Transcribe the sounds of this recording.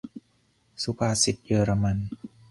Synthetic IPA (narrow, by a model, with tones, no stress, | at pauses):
su˧˦pʰaː˧si˨˩t̪̚jɤː˧ɾa˧ma˧n